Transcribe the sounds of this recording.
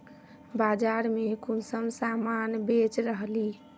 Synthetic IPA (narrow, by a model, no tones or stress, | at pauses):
bad͡ʒaɾmekonsəmsamanbet͡ʃɾəɦli